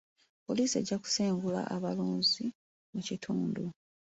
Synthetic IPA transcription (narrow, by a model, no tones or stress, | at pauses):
po̞liːsie̞̰ɟːaku̥seːŋɡula̰ʔaβaluːnzi | mucitʰuːndu